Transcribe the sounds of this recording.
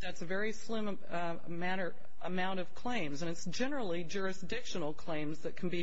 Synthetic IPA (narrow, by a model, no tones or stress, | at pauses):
ðætsɨvɛɹislɪ̃m | mæɾə˞ | əmãʊ̃ɾ̃ʌv̥kʰl̥ẽɪ̃mzɨ̃ñɨtsd̥ʒ̥ɛnə˞l̩ˠid͡ʒʊɹɨsd̥ɪkʃɨ̃nl̩ˠkʰl̥ẽɪ̃mzðɨt̚kʰn̩bi